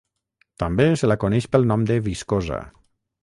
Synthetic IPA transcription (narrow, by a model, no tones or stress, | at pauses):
t̪ambesəlakonɛʃpəlˠnɔmd̪əβiskoza̰